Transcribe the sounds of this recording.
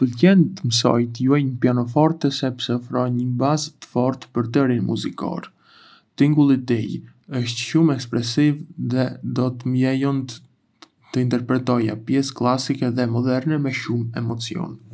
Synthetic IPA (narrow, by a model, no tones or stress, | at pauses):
pəlcɛnt̪əməsɔ̰jt̪juɛjnəpjanɔfɔɾt̪ɛsɛpsɛɔfɾɔɲəbazt̪ə̥fɔɾt̪pəɾt̪əɾinmṵzikɔ̰ɾ | t̪iŋɡulˠit̪ɛj | əʃt̪ʃumɛkspɾɛsivðɛd̪ɔt̪əmjɛjɔnt̪ | t̪əint̪ɛɾpɾɛt̪ɔja̰pjɛsklˠasikɛðɛmɔd̪ɛɾnɛmɛʃumɛmɔt͡siɔ̰n